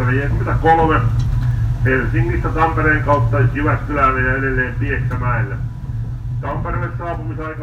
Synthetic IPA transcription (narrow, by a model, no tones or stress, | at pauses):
ʋeiæsmit̪ækolme | helsiŋːist̪æt̪ɑmpeɾeːŋkɑut̪ːɑsyʋæt̪kylæʋeːɑedelːeːmpiest̪ːæmæːelːæ | t̪ɑmperelesːɑːpumisɑikɑ